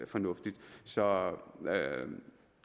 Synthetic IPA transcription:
fɒnɔfd̥id̥sɒ

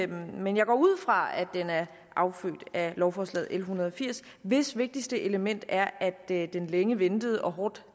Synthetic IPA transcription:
menjɑ̈ɪɡ̥ɒ̰ːuð̞̰ˠfʁɑ̈æd̥enæɐ | ʔɑ̈ʊfø̰ːd̥ælɒʊfɒːslɛ̰ːð̞̩̰ˠʔelɦunɐð̞ˠɒ̽fiɐ̰s | ʋe̝sʋe̝ɡ̥̚d̥isd̥əʔe̝ləmen̰d̥æɐʔæd̥d̥enleŋəʋend̥əð̞̩ˠɒ̽ɦɒːd̥

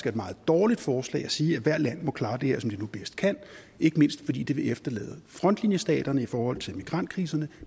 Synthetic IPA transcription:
sɡ̥æedmɑ̈ːð̞̩ˠd̥ɒːlid̥fɒːslɛ̰ɪæsiːæʋæɐ̰d̥læn̰mɒ̽kʰlɑ̈ːd̥e̝heɐ̰sɒ̽md̥enub̥esd̥̚kʰæn̰ | e̝ɡ̥əme̝n̰sd̥fɒdḭːd̥e̝ʋe̝efd̥ɐlɛ̰ːðˠfʁɒ̽n̰d̥linjəsd̥ɛ̰ːd̥ɐnəifɒːhɒ̽l̰t͡sʰe̝lmiɡ̥ʁɑ̈n̰d̥̚kʰʁiːsɐnə

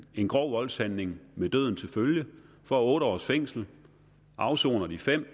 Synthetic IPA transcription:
e̝nɡ̥ʁɒʊ̰ʋɒ̽lsænːe̝ŋmed̥ø̰ð̞̰ˠn̩t͡sʰe̝lføljə | fɒ̽æɔ̽ːɾ̥əɒ̰ːsfeŋ̰sl̩ | ʔɑ̈ʊso̝̰ːnɐdifem̰

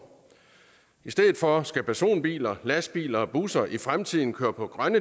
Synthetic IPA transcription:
isd̥eðð̩ˠfɒ̽sɡ̥æpʰæɐso̝̰ːnb̥ḭːlɐlæsb̥ḭːlɐ̽ːb̥usɐʔifʁamt͡sʰið̞̰ˠn̩kʰøːɐpʰɒ̽ɡ̥ʁɶnə

